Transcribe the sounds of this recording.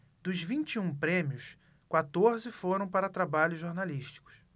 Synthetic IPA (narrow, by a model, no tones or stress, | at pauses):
d̪̥ʊzvĩt͡ʃiũpɾẽmiʊs | kwat̪oɾzɪfoɾɐ̃w̃paɾɐt̪ɾabaʎʊʒoɾnaliʃt͡ʃi̥kʊ̥s